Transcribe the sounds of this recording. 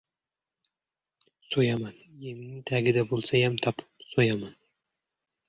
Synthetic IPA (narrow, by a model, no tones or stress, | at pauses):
sojamanjemnɪt̪ʰaɡʲɪd̪abolˠsajamt̪ʰɒpsojaman